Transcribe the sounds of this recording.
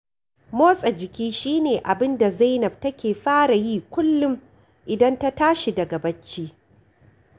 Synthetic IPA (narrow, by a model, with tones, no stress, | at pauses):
moː˦sʼɐ˨d͡ʒɪ˨kʲiː˦ʃiː˦neː˨ʔa˨bɪ˦nda˨za˦jnɐ˨b̚tɐ˦kʲeː˨ɸaː˦ɽa˨jiː˦kʷʊ˦lːʊ˦m | ʔɪ˨dɐ˦nta˦taː˦ʃi˨dɐ˨ɡɐ˨bɐ˦t͡ʃːiː˦